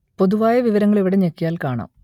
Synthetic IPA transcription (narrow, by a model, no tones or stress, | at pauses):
po̞ðuʋaːjɐʋiʋɐɾɐŋːɐɭiʋiɽeɲekːijaːlkaːɳɐ̰ːm